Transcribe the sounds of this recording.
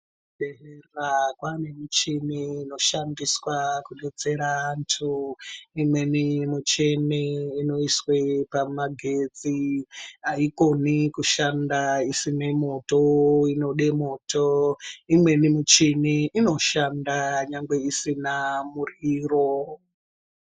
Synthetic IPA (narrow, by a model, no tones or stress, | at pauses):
ɗeɦerakwanemut͡ʃiniːno̞ʃandiswakuɗod͡ze̞ɾaːntʰuimwe̞nimut͡ʃeneino̞iswepamaɡʱe̞t͡si | aiko̞nikuʃandaisinemo̞to̞ino̞ɗemotoimwe̞nimut͡ʃiniino̞ʃandaɲaŋɡwe̞isinamuriːro̞